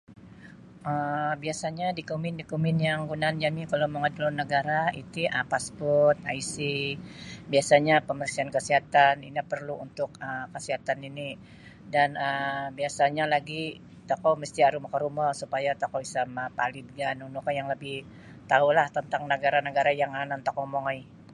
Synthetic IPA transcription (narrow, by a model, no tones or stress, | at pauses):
əbiasaɲadikumɪndikumɪnjaŋɡunand͡ʒamikalowməŋadulɔnəɡaɾaḭt̪iʔəpaspɔrrt̪̚a̰isi | biasaɲapəmərsiankəsiɦat̪anḭnipərluunt̪ʊkəkəsiɦat̪anini | danəbiasaɲalaɡi | t̪okɔməst̪iaɾumakəɾumɔsupajat̪okɔisamapalid̚ɡanunukajaŋləbɪh | t̪aulaht̪ənt̪aŋnəɡaɾanəɡaɾajaŋanant̪okɔmoŋɔj